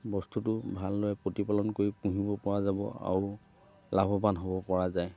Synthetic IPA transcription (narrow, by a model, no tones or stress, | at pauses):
bɔstutʊbʱalːojɛpɹotipalɔnkoɹipũɦibɔpɔɹazabɔ̰a̰ɹu | labʱɔbanɦobɔpɔɹazaj